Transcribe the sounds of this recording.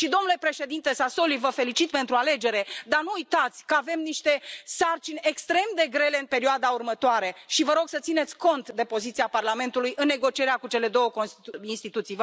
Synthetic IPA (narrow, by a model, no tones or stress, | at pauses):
ʃid̪o̞mnule̞pɾe̞ʃe̞d̪int̪e̞saso̞livəfe̞lit͡ʃit̪̚pe̞nt̪ɾuale̞d͡ʒe̞ɾe̞d̪anuːjt̪at̪sʲkəave̞mniʃt̪e̞sart͡ʃinʲekst̪ɾe̞md̪e̞ɡɾe̞le̞ɨnpe̞ɾioad̪aurmət̪oaɾe̞ʃivəɾo̞ɡsət̪sine̞t̪sʲko̞nt̪d̪e̞po̞zit̪siaparlame̞nt̪ulujʔɨnːe̞ɡo̞t͡ʃie̞ɾeakut͡ʃe̞le̞d̪o̞wəkoinst̪it̪ut̪sij